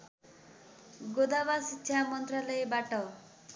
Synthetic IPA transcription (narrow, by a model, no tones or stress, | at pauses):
ɡod̪abasitːʃʰamɔnt̪ɾalɔebaʈɔ